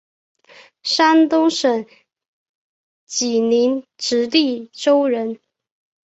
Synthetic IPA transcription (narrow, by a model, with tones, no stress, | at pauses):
ʂa˥nt̪ʊ˥ŋʂə˨˩ŋ | t͡ɕi˨˩ni˧˥nʈ͡ʂɻ̩˧˥li˥˩ʈ͡ʂo˥ʊɻə˧˥n